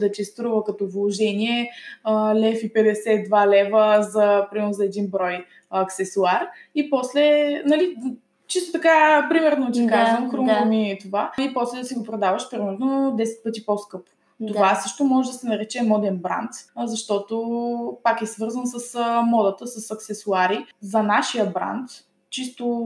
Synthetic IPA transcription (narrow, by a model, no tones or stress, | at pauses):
d̪ɐt̪ʲist̪ɾuvəkɐt̪ɔvlˠoʒɛniɛəlɛfipɛd̪ɛsɛd̪valɛvəzɐpɾimɛɾnʊzɐɛd̪inbɾɔj | ɐksɛsuaɾipɔslɛnɐli | t͡ʃist̪ot̪ɐkapɾimɛɾnot̪ɛkazvəmkɾuŋkəmiːt̪ovaipɔslɛd̪ɐsiɡopɾod̪avɐʃpɾimɛɾnod̪ɛsɛ̥t̪̚pɤt̪ipɔskɤpʊ̥ | t̪ovasɤʃt̪ʊmɔʒɛd̪ɐsɛnɐɾɛt͡ʃɛmɔd̪ɛnbɾa̰nt̪zɐʃt̪ɔt̪opakɛsvɤɾzənsəsmɔd̪ət̪əsɐsɐksɛsuaɾizɐnaʃijəbɾa̰nt̪ | t͡ʃist̪ʊ